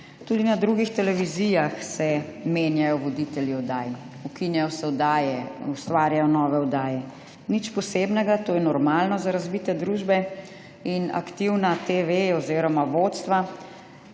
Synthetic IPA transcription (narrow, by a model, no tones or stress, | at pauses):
t̪ud̪inad̪ɾuɡixt̪ɛlɛʋizijaxsɛmeːnjajɔʋɔd̪it̪ɛljiɔd̪aːj | ukinjajɔsɛɔd̪aːjɛust̪ʋaːɾjajɔnɔːʋɛɔd̪aːjɛ | nit͡ʃpɔseːbnɛɡat̪oːjɛnɔɾmalnɔzaɾazbit̪ɛd̪ɾuʒbɛ | ina̰kt̪iwnat̪eʋejɛɔziɾɔmaʋot̪st̪ʋa